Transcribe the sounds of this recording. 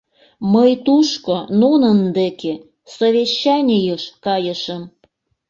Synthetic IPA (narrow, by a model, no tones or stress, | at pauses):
məjt̪uʃkononə̆nd̪eke | soβʲeɕːɑnʲijəʃkɑjəʃəm